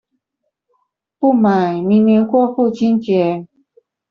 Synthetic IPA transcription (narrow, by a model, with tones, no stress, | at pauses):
pu˥˩ma˨˩ɪmi˧˥ŋnjɛ˧˥nxwɔ˥˧fu˥˩t͡ɕʰi˥nt͡ɕjɛ˧˥˦